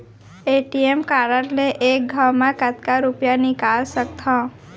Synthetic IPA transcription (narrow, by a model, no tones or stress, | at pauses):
eʈiemkaɾəɾleʔek̚ɡʱawmãkət̪kaɾupjanikalsək̚t̪ʰɔ̃